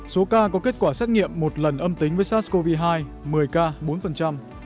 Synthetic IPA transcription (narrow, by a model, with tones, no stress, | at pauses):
so˨˦kaː˧kɔ˨˦ke˦˥t̚kwaː˧˩saː˦˥t̚ŋḭ˧˨əmːo˨˩t̚lə˨˩nʔə˧mt̪ï˨˦ŋ̟vəː˨˦jsaː˦˥t̚sko˧vi˧ɦaː˧j | mɨ˨˩əjkaː˧ɓo˨˦nfə˨˩nt͡ɕa˧m